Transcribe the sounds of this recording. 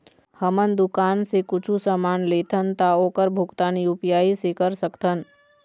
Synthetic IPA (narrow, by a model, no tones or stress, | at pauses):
həmənd̪ʊkaːnsekʊt͡ʃʰusəmaːnleːt̪ʰənt̪aoːkəɾbʱʊkt̪aːniʊpjaːisekəɾsəkt̪ʰən